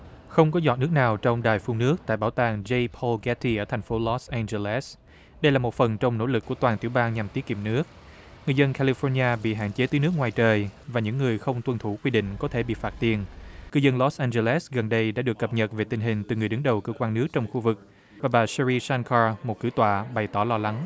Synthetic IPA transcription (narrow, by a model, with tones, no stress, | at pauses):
xə˧wŋ͡mkɔ˨˦zɔ̰˧˨˩t̚nɨ˦˥ək̚naː˨˩wt͡ɕɔ˧wŋ͡mɗaː˨˩jfu˧ŋnɨ˦˥ək̚t̪a̰ː˧˨jɓaː˧˩wt̪aː˨˩ŋze˧jpʰɔ˧lkɛ˨˦˥t̪ʰi˧ʔəː˧˩t̪ʰɛ˨˩jŋ̟fo˨˦lɔ˨˦˥sʔɛ˧nze˧lɛ˦˥s | ɗə˧jlaː˨˩mo˨˩t̚fə˨˩nt͡ɕɔ˧wŋ͡mno̰˧˥lɨ˨˩kːu˧˩ət̪waː˨˩nt̪i˧˩əwɓaː˧ŋɲa˨˩mt̪i˨˦əkḭ˨˧˩m̚nɨ˦˥ək̚ | ŋɨ˨˩əjzə˧nkʰa˧li˧fɔ˧ɲaː˧ɓḭ˧˨ɦa̰ː˧˨nt͡ɕe˨˦t̪əː˨˦nɨ˦˥ək̚ŋwaː˨˩jt͡ɕəː˨˩jvaː˨˩ɲɨ̰˧˥ŋːɨ˨˩əjxə˧wŋ͡mt̪wə˧nt̪ʰu˧˩kwi˧ɗḭ̈˧˨ŋ̟kɔ˨˦t̪ʰe˧˩ɓḭ˧˨faː˦˥t̚t̪i˨˩ənkɨ˧zə˧nlɔ˨˦˥sʔaː˧nze˧lɛ˦˥sɣə˨˩nɗə˧jɗa̰ː˧˥ɗɨ˨˩əkːə˨˩p̚ɲə˨˩t̚ve˨˩t̪ï˨˩ŋ̟ɦï˨˩ŋ̟t̪ɨ˨˩ŋɨ˨˩əjɗɨ˨˦ŋɗə˨˩wkəː˧kwaː˧nɨ˦˥ək̚t͡ɕɔ˧wŋ͡mxu˧vɨ˨˩k̚ | vaː˨˩ɓaː˨˩sɛ˧ɹi˧sa˧nkʰaː˧mo˨˩t̚kɨ̰˧˦t̪wa̰ː˧˨ɓa˨˩jt̪ɔ˧˩lɔ˧la˨˦ŋ